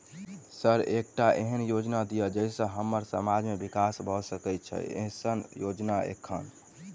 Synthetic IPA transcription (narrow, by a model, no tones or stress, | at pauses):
səɾek̚ʈaʔḛɦənjod͡ʒnad̪ijəd͡ʒəɪsə̃ɦəmːəɾsəmad͡ʒmebikasbʱɔsəkɛjt̪̚t͡ʃʰɛ̰ḛɦsənjod͡ʒnaḛkʰːən